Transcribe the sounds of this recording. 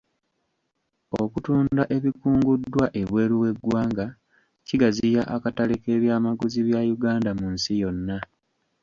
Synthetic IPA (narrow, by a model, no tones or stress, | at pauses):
o̞kutuːndaʔe̞βikuːŋɡudːwaʔe̞βwe̞ːɾuwe̞ɡːwaːŋɡa | ciɡazijaʔakatalike̞ːβjaːmaɡuziβjajuɡaːndamunsijo̞nːa